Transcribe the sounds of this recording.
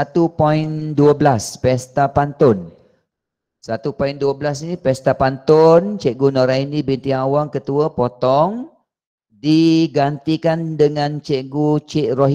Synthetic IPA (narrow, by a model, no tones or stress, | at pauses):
at̪upɔinduəbəlaspɛst̪apant̪ʊn | sat̪upoinduəblasinipɛst̪apant̪ɔnt͡ʃɛʔɡunɔɾainibint̪iawaŋkət̪uəpot̪ɔŋ | diɡant̪ikandəŋãnt͡ʃeʔɡut͡ʃɛʔroɦ